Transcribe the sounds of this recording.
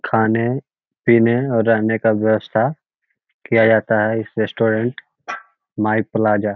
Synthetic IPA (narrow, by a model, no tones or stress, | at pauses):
kʰaːne | piːneɔːɾːɐɦnekaʋjɐwəst̪ʰa | kijad͡ʒaːt̪aɦɛɪsɾeːsʈoːɾə̃ɳʈ | maːipəlaːd͡ʒaː